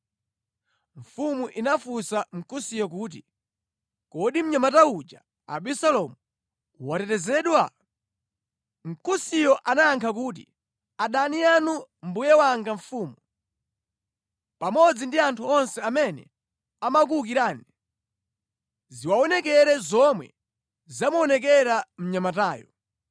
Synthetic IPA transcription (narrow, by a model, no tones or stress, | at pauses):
ɱ̩fumuʔinafusam̩kusijɔk̬uːt̬ḭ | kɔɗim̩ɲamataud͡ʒa | a̰ɓisalɔmu | watɛtɛzɛɗwa | m̩kusijɔʔanaaŋkʰakuːtḭ | aɗanijanum̩bujɛwaŋɡaɱfuːmu | pamɔd͡zindiantʰuɔnsɛamɛnɛ̰ | amak̬uuk̬iɾaːni | ziwaɔnɛkɛɾɛzɔmwɛ̰ | zamuɔnɛk̬ɛɾam̩ɲamataːjɔ̰